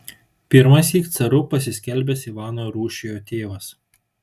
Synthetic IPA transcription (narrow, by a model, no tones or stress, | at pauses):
pʲɪɾmɐsʲiːkt̪sɐɾʊpɐsʲɪsʲkʲɛlʲˑbʲɛsiːʋɑːnojɾuːʃʲejoːt̪ʲeːʋɐs